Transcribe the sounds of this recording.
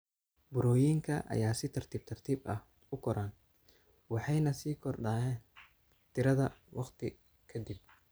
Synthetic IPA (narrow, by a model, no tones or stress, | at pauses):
bʊɾɔːjiːŋkʰɐʔɐ̰jaːsɪt̪ʰɐrt̪ʰiːb̚t̪ʰɐrt̪ʰiːbɐ̰h | ʊkʰɔɾaːn | wɑħɑjnɐsiːkʰɔrɖaːjɛːn | t̪ʰɪɾɐðɐwɑqt̪ʰɪ | kʰɐd̪ib̚